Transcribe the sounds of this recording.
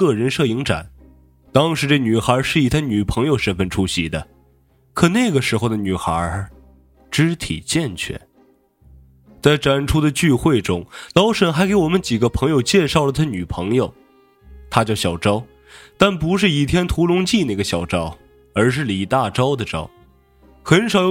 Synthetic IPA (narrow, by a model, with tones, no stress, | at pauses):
kɤ˥˩ɻə˧˥nʂɤ˥˩i˧˥ŋʈ͡ʂa̰˨˩˦n | t̪ɑ˥ŋʂɻ̩˧˥ʈ͡ʂe˥˩ɪny˨˩xə˞˧˥ʂɻ̩˥˩i˨˩t̪ʰa˥˧ny˨˩pʰɤ˧˥ŋjo˧ʊʂə˧˥nfə˧nʈ͡ʂʰu˥ɕḭ˧˥d̪ə˨˩ | kʰɤ˨˩ne˥˩ɪɡə˩ʂɻ̩˧˥xo˧ʊd̪ə˩ny˨˩xə̰˧˥ | ʈ͡ʂɻ̩˥t̪ʰḭ˨˩t͡ɕjɛ˥˧nt͡ɕʰɥɛ̰˥˩ | t͡sa˥˩ɪʈ͡ʂa˨˩nʈ͡ʂʰu˥d̪ə˨t͡ɕy˥˧xwe˥˩ɪʈ͡ʂʊ˥ŋlɑ˧˥ʊʂə˨˩nxa˧˥ɪke˧˥ɪwɔ˨˩mə˦nt͡ɕi˨˩ɡə˦pʰɤ˧˥ŋjo˧ʊt͡ɕjɛ˥˧ʂɑ˥˩ʊlə˩t̪ʰa˥˩ny˨˩pʰɤ˧˥ŋjo˨˩ʊ | t̪ʰa˥t͡ɕjɑ˥˩ʊɕjɑ˨˩ʊʈ͡ʂɑ˥ʊ | t̪a˥˩npu˧˥ʂ̬ɻ̩˥˩i˨˩t̪ʰjɛ˥nt̪ʰu˧˥lʊ˧˥ŋt͡ɕi˥˧na˥˩ɪɡə˩ɕjɑ˨˩ʊʈ͡ʂɑ˥ʊ | ə˞˧˥ʂ̬ɻ̩˥˩li˨˩t̪a˥˩ʈ͡ʂɑ˥ʊd̪ə˨ʈ͡ʂɑ̰˥ʊ | xə˧˥nʂɑ˨˩ʊjo˧